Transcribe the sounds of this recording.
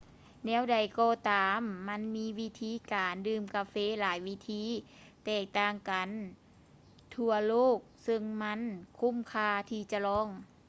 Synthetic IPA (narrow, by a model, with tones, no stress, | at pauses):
nɛː˧˥˨wda˨˩jkɔː˧t̪aː˨mːa˧˥˨nmiː˧˥˨wi˧˥t̪ʰiː˧˥˨kaː˨ndɯː˧˩mkaː˧feː˧˥˨laː˨˦jwi˦˧˥t̪ʰiː˧˥˨ | t̪ɛː˧˩k̚t̪aː˧˩ŋka˨n | t̪ʰu˧ɐloː˥˩k̚sɯ˧ŋma˧˥˨nkʰu˧˥˨mkʰaː˧t̪ʰiː˧t͡ɕa˧lɔː˧˥˨ŋ